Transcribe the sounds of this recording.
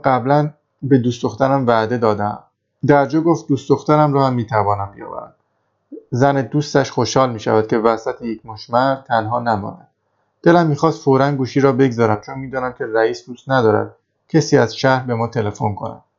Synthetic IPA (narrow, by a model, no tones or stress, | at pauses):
ɢæblæn | be̞d̪uːsd̪oxt̪æɾæmvæd̪e̞d̪ɒːd̪eæ̰m | d̪æɾd͡ʒɒːɡoft̪̚d̪uːsd̪oxt̪æɾæmɾɒːhæmːiːt̪ʰævɒːnæmbijɒ̰ːvæ̰ɾæ̰m | zæned̪uːst̪æʃxo̞ʃhɒːlmiːʃæ̰væd̪̥̚cʲʰe̞væsæt̪ʰejecʰmoʃmæɾd̪t̪ʰænɦɒːnæmɒ̰næ̰n | d̪̥e̞læmːiːxɒːst̪foːɾænɡuːʃiːɾɒːbe̞ɡzɒːɾæmt͡ʃʰonmiːd̪ɒːnæmcʰe̞ɾæiːsd̪uːst̪næd̪ɒːɾæ̰d̪̥̚ | cʰesiːæzʃæhɾbe̞mɒːt̪ʰe̞le̞fonkʰo̞̰næ̰m